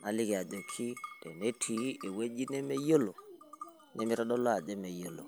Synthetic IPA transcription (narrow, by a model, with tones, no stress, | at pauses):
ma˨lɪ˦kɛ˨a˨do˨kʰi˦d̥ɛ̰˨ne˦tʰi˨e˨we˦d͡ʒi˦ne˦me˦jo˦lo˨ | nʔɛ˦mi˦ɾɔ˦ɗɔ˦lɔ˦a˨d͡ʒe˦me˨jo˦lo̰˨